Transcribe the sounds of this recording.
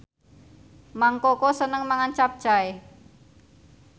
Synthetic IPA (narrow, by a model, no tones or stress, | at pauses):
maŋkokosənəŋmaŋant͡ʃap̚d̥ʒ̥a̤e